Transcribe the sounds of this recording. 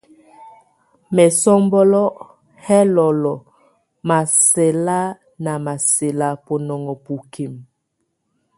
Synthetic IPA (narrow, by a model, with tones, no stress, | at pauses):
mɛ˨sɔ˦mbɔ˦lɔ˦ | hɛ˦lɔ˨lɔ˨ | ma˨sɛ˨la˦ | na˨ma˨se˨la˦po˨nɔ˨ŋɔ˨pu˨kʰi˨m